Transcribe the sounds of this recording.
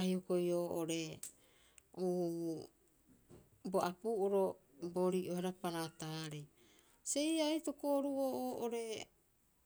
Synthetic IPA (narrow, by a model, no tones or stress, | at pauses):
ahiokojoːʔoɾe̞ | u | boʔapuːʔoɾo | boɾiʔoheɾapanataɾej | se̞jajtokoɾuoːoːʔoɾe̞